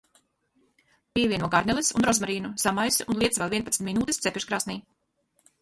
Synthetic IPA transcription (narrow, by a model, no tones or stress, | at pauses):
pʲiɛvʲiɛnuɔɡaɾnɛlˠɛsṵnɾɔzmaɾiːnuz̥amajsunlˠiɛt̪svɛlˠviɛnpat̪st̪minuːt̪ist̪sepʲiʃkɾaːsniː